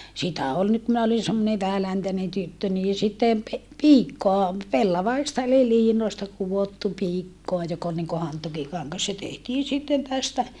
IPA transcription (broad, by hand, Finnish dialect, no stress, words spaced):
sitæ ol nyt minæ olin semːone ʋæhælæntænen tytːø niː sitːem pe piːkːoɑ pelːɑʋɑistɑ eli liːnoˑi̯stɑ kuʋotːu piːkːoɑ jok ol niŋko hɑntukikɑŋːɑs se tehtiːn sitːen tæstæ